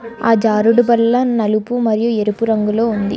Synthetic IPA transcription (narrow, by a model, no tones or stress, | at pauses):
aːd͡ʒaːɾuɽubɐlːɐnɐlupumɐɾijueɾupuɾɐŋɡulo̞ːund̪ḭ